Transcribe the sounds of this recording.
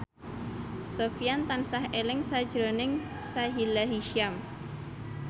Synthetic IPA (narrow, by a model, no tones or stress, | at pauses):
sofijant̪ansahelɪŋsad̥ʒ̥ɾonɪŋ | saɦilaɦiʃiam